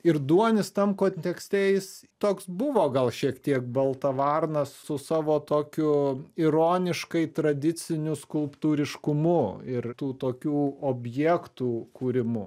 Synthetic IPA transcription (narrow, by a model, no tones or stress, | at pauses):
ɪrd̪uɔnʲɪst̪ɐmkoːnʲt̪ʲɛksʲt̪ʲeːjɪst̪oːksbʊʋoːɡɐlˠʃʲiɛkt̪ʲiɛk̚bɐlˠt̪ɐʋɑrnɐssʊsɑːʋoːt̪oːkʲʊɪɾoːnʲɪʃkɐɪt̪ɾɐd̪ʲɪt͡s̪ʲɪnʲʊskʊlˠpt̪uːɾʲɪʃkʊmʊɪrt̪uːt̪oːkʲuːoːbʲjɛkt̪uːkuːɾʲɪmʊ